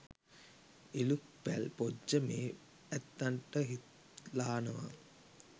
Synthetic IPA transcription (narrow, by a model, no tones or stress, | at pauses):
eluk̚pælpod͡ʒəmeː | æt̪ːaɳʈəɦit̪ | laːnəʋa̰